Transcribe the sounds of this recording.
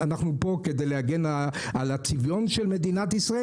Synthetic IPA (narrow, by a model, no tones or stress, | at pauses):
anaχnupo̞ked̪ejlehaɡenaalat͡sivjo̞nʃelme̞d̪inat̪isʁae